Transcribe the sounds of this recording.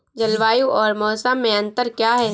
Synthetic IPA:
d͡ʒɐlʋaːjuɔːɾmɔːsəmːẽɐ̃nt̪əɾkjaːɦɛː

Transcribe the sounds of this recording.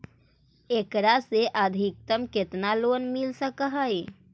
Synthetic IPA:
ekɾaseʔəd̪ʱik̚t̪əmket̪nalonmilsəkəɦəj

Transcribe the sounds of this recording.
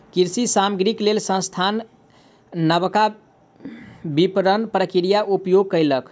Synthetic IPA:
kiɾsisaməɡɾiklelsə̃st̪ʰanː | əbka | bipɾənpɾəkiɾijaʔupjoɡ̚kəjlək

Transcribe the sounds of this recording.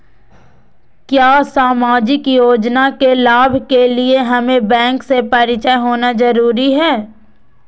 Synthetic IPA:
kjaːsaːmaːd͡ʒɪkjoːd͡ʒnakelaːbʱkelieɦɐmẽbɛ̃ːŋksepɐɾɪt͡ʃəɦoːnazɐɾuːɾiɦɛː

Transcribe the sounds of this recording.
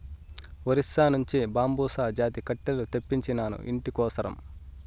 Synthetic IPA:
ʋɐɾisːaːnuɲt͡ʃibaːmbuːsaːd͡ʒaːt̪ikɐʈːɐlut̪epːiɲt͡ʃinaːnṵʔḭɳʈikɔːsɐɾɐ̰m

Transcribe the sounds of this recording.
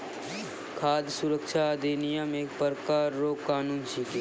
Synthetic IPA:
kʰaːd̪jsʊɾəkʃad̪eːnijamẽpəɾəkaːɾːoːkaːnuːnʃiki

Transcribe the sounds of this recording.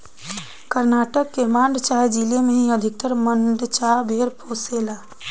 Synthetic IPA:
kəɾnaːʈəkːemãːɳɖt͡ʃaed͡ʒilemẽɦĩəd̪ʱɪk̚t̪əɾmənɖ̪t͡ʃabʱeːɾpʰosela

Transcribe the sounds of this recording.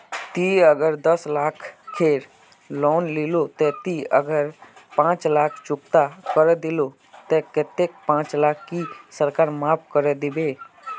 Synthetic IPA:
t̪iəɡəɾd̪əslaːkʰkʰːeːɾ | lɔːnlilot̪ɛt̪iə̰ɡəɾpãːt͡ʃlaːkʰt͡ʃʊk̚t̪akəɾed̪ɪlo | t̪ɛk̪et̪ek̚pãːt͡ʃlaːkʰkisəɾkaːɾmaːp̚ʰkəɾed̪ɪbeː

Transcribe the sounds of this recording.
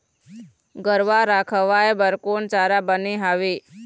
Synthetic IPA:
ɡəɾʋaɾaːkʰəʋaːebəɾkoːnt͡ʃaːɾabəniɦaːʋeː

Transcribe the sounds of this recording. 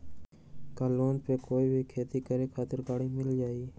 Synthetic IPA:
kaːloːnpeːkoːiːbʱɪkʰeːt̪iːkəɾeːkʰaːt̪ɪɾkaːɽiːmɪld͡ʒaːiː

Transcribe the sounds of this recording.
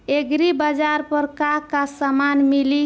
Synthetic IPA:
eɡɾibad͡ʒaɾpəɾkakasamanmili

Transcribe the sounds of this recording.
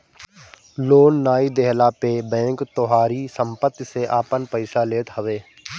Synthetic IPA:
loːnːaːid̪ɛɦlapebɛ̃ːŋkt̪oɦaːɾisə̃mpət̪ːjseʔaːpənpəɪsaleːt̪ɦəʋeː

